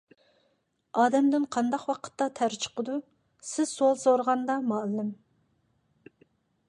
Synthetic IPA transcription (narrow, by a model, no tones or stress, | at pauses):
ɑːd̪ɛmd̪ɪnqʰɑnd̪ɑqwɑqʰə̥t̪ːɑt̪ʰæɾt͡ʃʰə̥qəd̪u | sɪz̥solˠsoɾʁɑnd̪ɑmɑːlːɪm